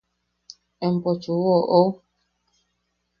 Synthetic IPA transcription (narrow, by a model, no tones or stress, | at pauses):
ɛm̩pɔt͡ʃuwɔʔo